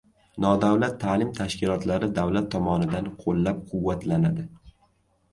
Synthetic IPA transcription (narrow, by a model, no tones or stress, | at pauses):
nɒd̪awlat̪ʰːaːlɪmt̪ʰaʃkʲɪlɒt̪laɾɪd̪awlat̪ʰːɒmɒnɪd̪anqʰolˠːap̚qʰʊwːat̪ʰlanad̪ɪ